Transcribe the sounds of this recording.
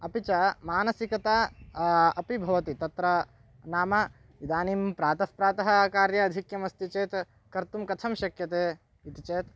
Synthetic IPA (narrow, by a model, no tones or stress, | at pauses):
ɐpit͡ʃɐmaːnɐsikɐt̪aː | ɐpibʱɐʋɐt̪it̪ɐt̪ɾɐ | naːmɐ | id̪aːnimpɾaːt̪ɐspɾaːt̪ɐɦɐkaːɾjɐːd̪ʱikjɐmɐst̪it͡ʃeːt̪ | kɐɾt̪umkɐt̪ʰɐmʃɐkjɐt̪eː | it̪it͡ʃeːt̪